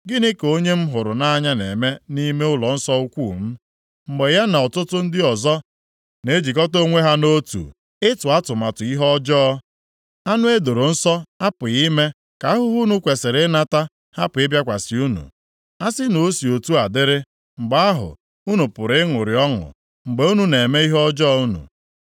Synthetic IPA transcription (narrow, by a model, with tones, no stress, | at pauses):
ɡɪ˦nɪ˦ko˦ɲe˦m̩˦ɦʊ˨ɾʊ˨na˦ɲa˦nḛ˨me˦ni˦me˦ʊ˦lɔ˨n̩˦sɔ˦u˦kʷu˦˨m̩˦ | m̩˨ɡ͡be˨ja˦na˨ɔ˨tʊ˦tʊ˦n̩˦dɪ˦ɔ˨zɔ˦ | ne˦d͡ʒi˨kɔ˦to˦ŋʷe˦ɦa˦no˦tṵ˨ | ɪ˦tʊ˨a˦tʊ˨ma˨tʊ˨i˦ɦɔ˦d͡ʒɔ˦ | a˦nʊ˦e˦do˨ɾo˨n̩˦sɔ˦a˦pʊ˨i˦me˦ | ka˨a˦ɦʊ˦ɦu˦nu˨kʷe˨se˨ɾe˦na˦ta˦ | ha˦pʊ˨ɪ˦bja˦kʷa˨si˨u˦nṵ˨ | a˦sɪ˦no˨˦si˨o˨tu˦a˨dɪ˦ɾɪ˦ | ŋ͡m̩˨ɡ͡ba˦a˦ɦʊ̰˨ | u˦nu˨pʊ˨ɾɪ˦ɪ˦ŋʊ˨ɾɪ˨ɔ˦ŋʊ̰˨ | ŋ͡m̩˨ɡ͡be˨˦u˦nu˨ne˨me˦i˦ɦɔ˦d͡ʒɔ˦˨˦u˦nṵ˨